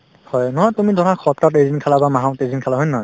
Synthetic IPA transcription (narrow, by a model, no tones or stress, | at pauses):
hɔjnɔɦɔjtumidʱɔɾakʰɔp̚tatejzinkʰalabamaɦãwtezinkʰalaɦɔjnːɔɦɔj